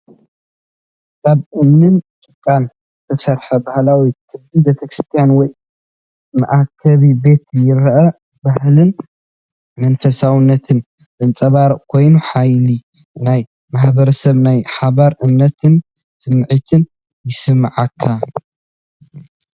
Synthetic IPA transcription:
kʰaβʔɨmnɨnt͡ʃʼɨkʼːan | zɨt̪ʰɐsɐɾħɐbahlawikʰɨbdibe̞t̪ʰɐkɾɨst̪ʰijanwɔj | mɐʔakʰɐβibe̞t̪jɪɾʔɐ | bahlɨn | mɐnfɐsawɨnːɐt̪ʰɨn | bɨnt͡sʼɐβaɾkʰo̞jnuħajli | naj | maħbɐɾɐsɐβnajħaβaɾʔɨmnɐt̪ʰɨn | sʰɨmːʕɨt̪ʰɨn | jɪsɨmːaʕakʰːa

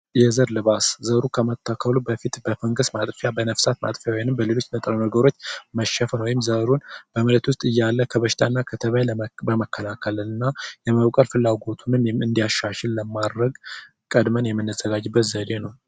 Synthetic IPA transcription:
jɛzəɾlɨβaszəɾukʰəmət̪ʰːakʰːəlubəfit̪bəfəŋɡɨsmat̪ʼfjabənəfsat̪ma̰t̪ʼfjawjanɨmbəlelo̞t͡ʃːnət̪ʼɾənəɡəɾo̞t͡ʃːməʃəfəwɔjɪmzəɾunb̥əmələt̪wʊst̪ʼɨjːalːəkʰəβəʃɪ̥t̪ʰanːakʰət̪ʰəβajbəməkʰːəlakʰələlɨnːajɛməβkʼəlfɨlːaɡo̞t̪ʰunɨmɨnd̪ijaʃːaʃɛlːəmad̪ɾəɡ | kʼəd̪mənjɛmːɨnːəzːəɡad͡ʒbːət̪zəd̪e̞nəw

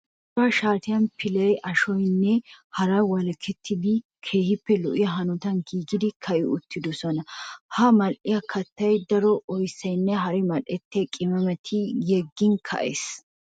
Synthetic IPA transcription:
dɐʃaːt̪ɪjɐnpʰɪlɐjʔɐʃɔjnːɛhɐɾɐwɐlɐkʰːɛt̪ʰːɪd̪ɪ | kʰe̞ːhɪpːɛlɔʔɪjɐɦɐnɔt̪ɐnɡiːɡɪd̪ɪkʰɐʔɪʊt̪ːɪd̪ɔsɔnɐhɐmɐlʔɪjɐkʰɐt̪ːɐjd̪ɐɾɔʔɔjsːɐjnːɛɦɐɾɪmɐlʔɛt̪ːɪjɐkʼɪmɐmɛt̪ʰɪjɛɡːɪnkʰɐ̰ʔḛːs

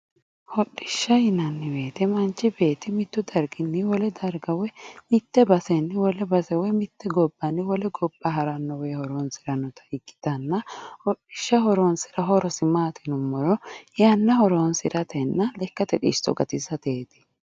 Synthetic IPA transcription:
hɔɗːɪʃːɐjɪnɐnːɪweːt̪ɛmɐnt͡ʃːɪbe̞ːt̪ɪmɪt̪ːʊd̪ɐɾɡɪnːɪwɔlɛd̪ɐɾɡɐwɛmɪt̪ːɛbɐsɛnːɪwɔlɛbɐsɛwɛmɪt̪ːɛɡɔbːɐnːɪwɔlɛɡɔbːɐɦɐɾɐnːɔwehɔɾonsɪɾɐnːɔt̪ʰɐ̥ɪkːɪ̥t̪ɐnːɐhɔɗɪʃːɐhɔɾɔnsɪ̥ɾɐɦɔɾɔsɪmaːt̪ɪnʊmːɔɾɔjɐnːɐhɔɾonsɪɾʔɐt̪ɛnːɐlɛkːɐt̪ɛᶑḭʃt̪ɔ̰ɡɐt̪ɪsɐt̪eːt̪ɪ̥

